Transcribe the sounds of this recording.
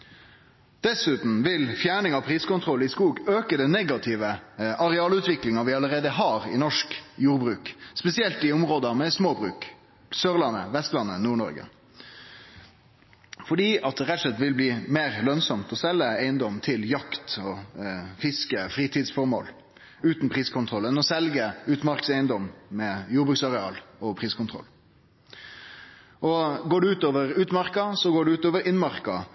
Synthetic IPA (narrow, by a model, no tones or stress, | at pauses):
d̪̥ɛsʉːt̪n̩ʋɪlfjæːɳɪŋɑpʰɾiːskʊnt̪ʰʁɔlːɪskuːɡøːkəd̪ɛnɛɡɑt̪ʰɪʋəʔɑɾɛɑːlʉːt̪ʋɪklɪŋɑʋɪɑləɾeːd̪əɦɑːɾɪ̰nɔʂkjuːɾbɾʉːkspɛsɪɛlt̪ɪɔmʁoːd̪ɑmɛsmoːbɾʉ̰ːk | søːʁlɑnːə̰ʋɛst̪lɑnːənuːɳɔ̰ɾɡə̰ | fɔɖiːɑt̪̚d̪ɛʁɛt̪ːsɛt̪ːʋɪlbliːmeːʁlœnsɔmt̪ɔsɛlːəæɪənd̪ɔmt̪ʰɪljɑkt̪ɔfɪskəfɾiːt̪ʰiːd̪sfɔɾmo̰ːl | ʉːt̪npʰʁiːskʰʊnt̪ʰʁɔlːənɔsɛlɡəʉːt̪mɑɾksæɪənd̪ɔmmɛjuːbʁʉːksɑʁɛɑ̰ːlɔpʰʁiːskʰʊnt̪ʰʁɔ̰lː | ɔɡoːɖʉʉːt̪oːʋəʁʉːt̪mɑʁkɑsɔɡoːɖʉʉːt̪oːʋəɾɪnmɑʁkɑ